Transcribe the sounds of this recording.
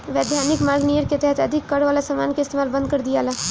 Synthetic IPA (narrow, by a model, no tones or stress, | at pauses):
ʋeːd̪ʱjaːnɪkmaːɾɡnijəɾket̪ɛɦɛt̪ɐd̪ʱɪkːɐɽʋaːlasamaːnkaɪst̪eːmaːlbɐ̃nd̪̚kɐɾd̪ijaːlaː